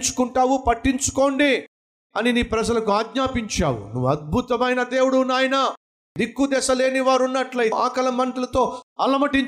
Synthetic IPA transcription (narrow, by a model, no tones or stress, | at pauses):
t͡ʃu̥kuɳʈaːwupɐʈːiɲt͡ʃu̥ko̞ːɳɖi | ɐniniːpɾɐd͡ʒɐlɐkuaːɡɲaːpiɲt͡ʃaːwṵnuʋːuɐd̪̚bʱut̪ɐmɐjnɐd̪e̞ːwuɽunaːjɐnɐ | d̪ikːud̪ɛːsɐle̞ːniʋaːɾunːɐʈlɐiʔaːkɐlɐmɐɳʈɐlɐt̪o̞ːɐlɐmɐʈiɲ